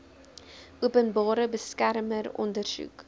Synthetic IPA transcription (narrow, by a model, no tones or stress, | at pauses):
uəpənbɑːɾəbəskærmərɔ̰ndərsṵk